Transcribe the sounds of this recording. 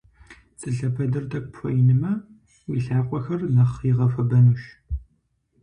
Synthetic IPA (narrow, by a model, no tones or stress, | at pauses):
t͡sʼɨɬɐpʰɐdɐrtʰɐk̚ʷʼpʰʷɔjɪnɨmɐ | wiɬaːqʷʼɔxɐrnɐχiʁɐfɐbɐnuːʃ